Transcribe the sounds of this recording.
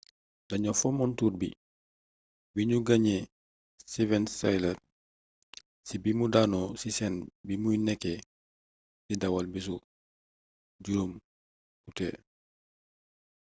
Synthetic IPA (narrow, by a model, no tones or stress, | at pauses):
dɐɲɔfɔmɔntuːtbḭ | biɲuɡaɲe | sivɛnsajlɐr | sibimudaːnɔsisɛnbimujnɛkːɛ | didawalbis̬u | ɟuɾum | kutɛ̰